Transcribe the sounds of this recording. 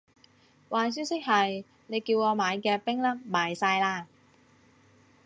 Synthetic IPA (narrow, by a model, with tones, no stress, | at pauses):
waː˨js̬yː˥wsɪ˥k̚hɐ˨j | ne˨˧jkiː˧wŋɔː˨˧maː˨˧jkɛː˧pɪ˥ŋlɐ˥p̚maː˨˧jsaː˧jlaː˧˥